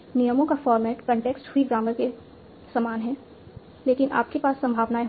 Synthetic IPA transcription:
nijəmõkafɔːɾmɛːʈkə̃ɳʈeːksʈhuiɡaːməɾke | samaːnɦɛː | leːkɪnʔa̰ːp̚kepaːsːɐ̃mbʱaːʋnae

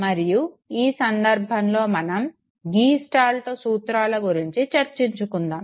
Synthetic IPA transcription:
mɐɾiju | iːsɐnd̪ɐɾbʱɐnlo̞ːmɐnɐm | ɡiːsʈaːlt̪oːsuːt̪ɾaːlɐɡuɾiɲt͡ʃit͡ʃɐɾt͡ʃiɲt͡ʃukund̪aːm

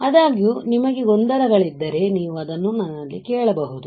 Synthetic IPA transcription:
ɐd̪aːɡjunimɐɡe̞ɡo̞nd̪ɐɾɐɡɐɭid̪ːɐɾe̞niːʋuɐd̪ɐnːunɐnːɐlːekɛːɭɐbɐɦud̪u

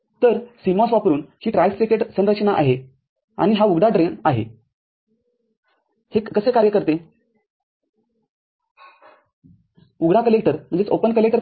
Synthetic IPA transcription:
t̪əɾsimɔ̃sʋapɾuːnhiːʈɾajfsekeʈsənɾət͡ɕnaʔa̰ɦe | a̰ɽ̃iɦauɡɽaɖɾenaɦḛ | heːəsekaɾjəkəɾt̪e | uɡɽakəlek̚ʈəɾm̤əɳnd͡zet͡sopənkəlekʈəɾ

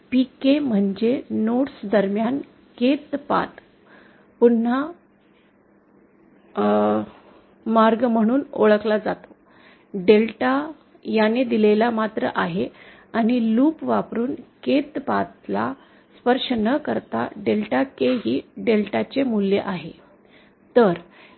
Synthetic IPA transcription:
pikem̤əɳd͡ʑenoʈsd̪əɾmjan | ket̪pa̰t̪ | pun̤ːa | maɾɡm̤əɽ̃uːnoɭəklad͡zat̪o̥ | ɖelʈa | janed̪ilelamat̪ɾə̰ʔaɦe | aɽ̃iluːpʋapɾuːnket̪pat̪la | spəɾʂənəkəɾt̪a̰ɖelʈakeɦiːɖelʈat͡ɕemuljeʔaɦe | t̪əɾ

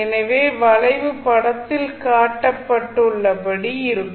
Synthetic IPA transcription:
ɛnɐʋeːʋɐlɐɪʋɯpɐɽɐt̪ːɪlkaːʈːɐpːɐʈːɯɭːɐpɐɽiɪɾɯkː

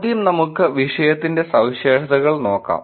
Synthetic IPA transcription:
d̪ijumnɐmukːɨʋiʂɐjɐt̪ːinde̞sɐwɕeːʂɐðɐɣɐɭno̞ːkːa̰ːm

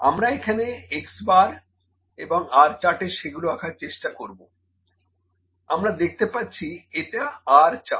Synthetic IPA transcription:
a̰mɾaekʰaneeksbaɾ | eboŋaɾt͡ɕaʈeʃeɡuloakʰaɾt͡ɕeʃʈakoɾbo | amɾad̪ek̚ʰt̪epatːɕʰieʈaaɾt͡ɕa̰

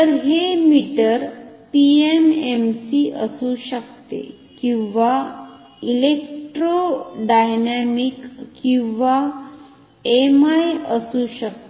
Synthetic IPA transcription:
t̪əɾɦemiʈəɾpiememsiʔəsũɕəkt̪ḛ | kĩwʋa | ilek̚ʈɾoɖajnamikːĩwʋa | emajəsuɕək̚t̪e

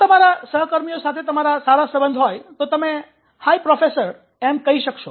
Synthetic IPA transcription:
t̪əmaɾasəɦəkəɾmijosat̪ʰet̪əmaɾasaɾasəbənd̪ʱɦɔjt̪ot̪əme | haipɾɔfesəɾ | emkəɦiʃəkʃo

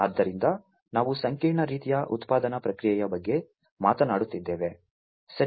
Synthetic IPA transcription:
ɐd̪ːɐɾind̪ɐ | naːʋusɐŋkiːɾɳɐɾiːt̪ijɐʔṵt̪paːd̪ɐnɐpɾɐkɾijɛjɐbɐɡːe̞ | maːt̪ɐnaːɽut̪ːid̪ːeːʋe̞ | sɐɾ

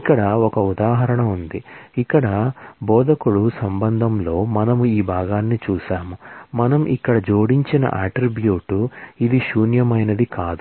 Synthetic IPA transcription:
ikːɐɽɐɔkɐud̪aːɦɐɾɐɳɐund̪iikːɐɽɐbɔːd̪ɐkuɽusɐmbɐnd̪ʱɐmlo̞ːmɐnɐmuiːbʱaːɡaːnːit͡ʃuːʃaːmumɐnɐmʔikːɐɽɐd͡ʒoːɽiɲt͡ʃinɐ̰ʔaːʈɾibjuːʈuid̪iʃuːnjɐmɐjnɐd̪ikaːd̪u

